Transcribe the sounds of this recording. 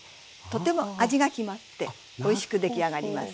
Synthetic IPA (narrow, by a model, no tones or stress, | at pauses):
t̪o̞t̪ːe̞mo̞aʑiɡakʲimatt̪ːe̞ | o̞iɕi̥kɯ̟d̪e̞kʲiaɡaɾʲimasɨ̥